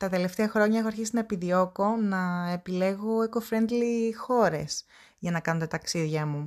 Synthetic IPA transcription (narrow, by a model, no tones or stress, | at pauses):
t̪ɐt̪e̞le̞ft̪e̞ɐxɾo̞ɲɐexoɐɾçisinɐepiðio̞ko̞nɐepile̞ɣo̞ekofɾend̪lixo̞ɾe̞̰s | ʝɐnɐkɐnot̪ɐt̪ɐksiðʝɐmu